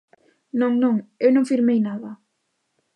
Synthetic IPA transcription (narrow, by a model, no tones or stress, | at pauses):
nõŋnõŋewnõŋfiɾmejnaðɐ